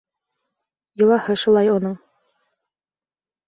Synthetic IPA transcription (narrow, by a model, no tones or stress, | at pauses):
jɤ̆lˠɑhɤʃulˠɑjunɤɴ